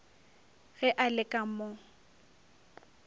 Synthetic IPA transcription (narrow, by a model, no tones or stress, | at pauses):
ɣɛʔalɪkʼamɔ